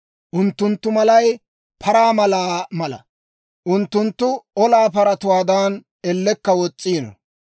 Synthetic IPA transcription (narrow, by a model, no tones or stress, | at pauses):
ʔʊnt̪ːʊnt̪ːʊmɐlɐj | pʰɐɾaːmɐlaːmɐlɐ̰ | ʔʊnt̪ːʊnt̪ːʊɔlaːpɐɾɐt̪ʊwaːd̪aːn | ɛlːɛkːɐwɔt͡sʼːiːnɔ̰